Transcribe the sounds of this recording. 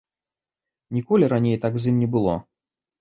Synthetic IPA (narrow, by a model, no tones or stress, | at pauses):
nʲikɔlʲiɾanʲejt̪akzʲimnʲɛbɨlˠɔ̰